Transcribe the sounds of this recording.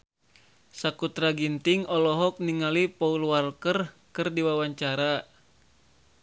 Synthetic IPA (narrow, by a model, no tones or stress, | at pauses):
sakut̪ɾaɡint̪iŋɔlɔɦɔk̚niŋalipɔulwalkər | kɨrdiwawaɲt͡ʃaɾa